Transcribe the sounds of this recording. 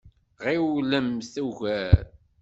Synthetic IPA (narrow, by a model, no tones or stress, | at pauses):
ʁiwləmθæʝæɾ